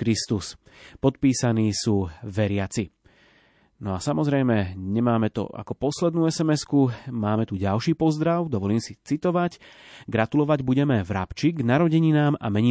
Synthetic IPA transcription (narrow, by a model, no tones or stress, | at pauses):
kɾist̪us | pɔt̪̚piːsaniːsuːʋɛɾɪat͡si | nɔasamɔzɾɛjmɛɲɛmaːmɛt̪ɔ̰a̰kɔpɔslɛd̪nuːɛsɛmɛskumaːmɛt̪uɟalʃiːpɔzd̪ɾaʊd̪ɔʋɔliːmsit͡sit̪ɔʋaɟɡɾat̪ulɔʋaɟbuɟɛmɛvɾa̰pt͡ʃiɡnaɾɔɟɛɲinaːma̰mɛɲi